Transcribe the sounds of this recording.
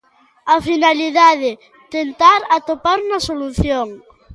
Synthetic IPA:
afinaliðaðɪ | t̪ent̪aɾat̪opaɾunɐsoluθjoŋ

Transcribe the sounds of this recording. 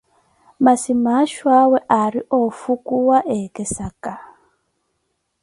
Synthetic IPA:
masimaʃwawɛʔaɾiʔofukuwaʔekesaka

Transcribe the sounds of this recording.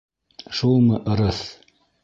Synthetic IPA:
ʃulˠmɤʔɤ̆ɾɤθ

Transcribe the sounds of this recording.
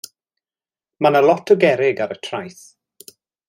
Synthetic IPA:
manalˠɔtʰəɡɛɾɪɡaɾətʰrajθ

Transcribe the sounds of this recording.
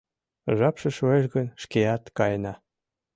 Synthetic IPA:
ʒɑpʃĕʃoeʃɣənʃkeɑt̪kɑjnɑ

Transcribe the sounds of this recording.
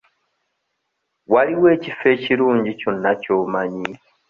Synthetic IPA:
waliwe̞ːcifːe̞ːciɾuːɲɟico̞nːaco̞ːmaɲi

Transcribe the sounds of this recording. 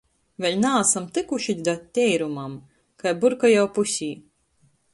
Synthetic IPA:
vʲɛlʲnaːsamt̪ɨkuʃid̪ʲd̪at̪ʲːɛjɾumam | kajbuɾkajawpusʲiː

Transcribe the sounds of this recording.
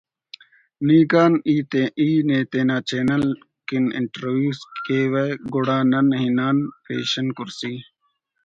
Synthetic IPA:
niːkaːniːt̪eiːneːt̪eːnaːt͡ɕeːnɐl | kinɪ̰ɳʈɾoːʋjuːskeːʋeɡoɽaːnɐnɦinaːnpḛːɕɐnkʊɾsiː

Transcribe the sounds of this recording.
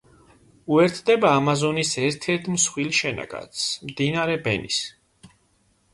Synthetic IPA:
uɛɾt̪ʰd̪ɛbaːmazɔnisɛɾt̪ʰɛɾt̪ʰmsχwilʃɛna̰ɡa̰t̪smd̪inaɾɛbɛnḭs

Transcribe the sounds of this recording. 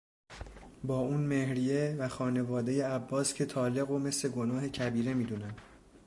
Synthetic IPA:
bɒːuːnme̞hɾijevæxɒːne̞vɒːd̪e̞je̞æbːɒːscʰe̞t̪ʰɒːle̞ɣo̞me̞sle̞ɡo̞nɒːɦe̞cʰæbiːɾe̞miːd̪uːnæn

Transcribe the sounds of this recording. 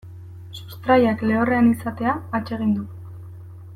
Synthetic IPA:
sust̪ɾajakle̞oreanisat̪e̞aːt͡ʃe̞ɣ̞ind̪u

